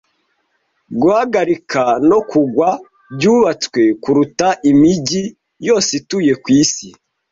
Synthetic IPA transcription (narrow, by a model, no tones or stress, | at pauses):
ɡuhaɡaɾikʰano̞kuɡwa | bɟuːβat͡swe̞kuɾutaʔimiɟi | jo̞ːsituje̞kwiːsi